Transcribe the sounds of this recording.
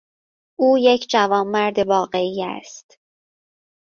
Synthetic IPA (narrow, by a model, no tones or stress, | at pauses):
ʔuːjecʰd͡ʒævɒːmːæɾd̪evɒːɣe̞iːæ̰st̪